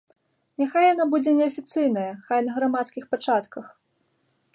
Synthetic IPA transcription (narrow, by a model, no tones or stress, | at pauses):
nʲaxajanabud͡zʲɛnʲɛɐfʲit̪sɨjnɐjɐxajnɐɣɾamat̪skʲixpat͡ʂat̪kɐx